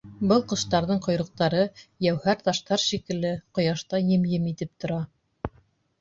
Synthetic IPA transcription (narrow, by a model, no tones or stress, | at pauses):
bɤlˠqɤ̆ʃt̪ɑɾðɤɴqŏjɾɤ̆q̚t̪ɑɾɤjæwhæɾt̪ɑʃt̪ɑɾʃikɘ̆lɘqŏjɑʃt̪ɑjɘ̆mjɘmit̪ɘp̚t̪ŏɾɑ